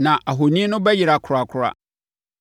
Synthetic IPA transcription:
nã˨ʔʔa˨ɦo˨nĩ˦nʊ̃˦bɛ˦ji˨ɾa˨kʰʊ˨ɾa˨kʰʊ˦ɾa̰˦

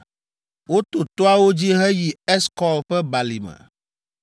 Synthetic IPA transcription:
wo˦t̪o˨t̪o˦a˦wo˦d͡ʑi˦ɦɛ˦ji˨ɛ˦skɔ˦lɸɛ˦ba˨li˨mɛ̰˨

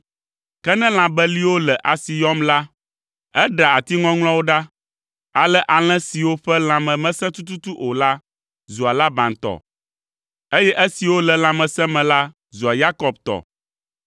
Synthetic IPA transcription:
kɛ˦nɛ̃˦l̃ã˨bɛ˦li˦wo˦lɛ˨ʔa˨si˨jɔ˦mla˦ | ɛ˦ɖa˨a˨t̪i˦ŋɔ̃˦ŋl̃ɔ̃˦wo˦ɖa˦ | a˨lɛ˦ʔa˨l̃ɛ̃˦si˨wo˦ɸɛ˦l̃ã˨mɛ̃˨mɛ̃˦sɛ̃˦t̪u˦t̪u˦t̪u˦ʔo˨la˦ | zu˨a˨la˦bã˨nt̪ɔ̰˨ | e˦jɛ˦ʔɛ˦si˨wo˦lɛ˨lã˨mɛ̃˨sɛ̃˦mɛ̃˨la˦ | zu˨a˨ja˦kɔ˨b̚t̪ɔ̰˨

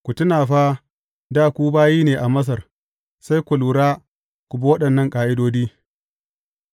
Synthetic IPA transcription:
kʷu˨tʊ˦naː˨ɸaː˦ | daː˦˨kʷuː˦baː˦jiː˦neː˨ʔa˨mɐ˦s̬ɐ˨r | sa˦jkʷu˨luː˨ɾaː˦ | kʷʊ˨bɐ˦wɐ˦ɗɐ˨nːɐ˦˨ŋkʼaː˨ʔɪ˦doː˦diː˦

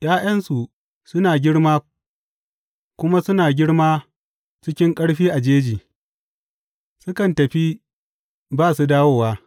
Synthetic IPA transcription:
jaː˦j̰ɐ˦nsu˨ | sʊ˦naː˨ɡʲɪ˦ɽmaː˦ | kʷʊ˦ma˦sʊ˦naː˨ɡʲɪ˦ɽmaː˦ | t͡ʃɪ˦kʲɪ˦ŋkʼɐ˦ɽɸiː˦ʔa˨d͡ʒeː˦d͡ʒiː˨ | sʊ˦kɐ˨ntɐ˨ɸi˦ | baː˦˨su˨daː˦woː˦˨waː˦

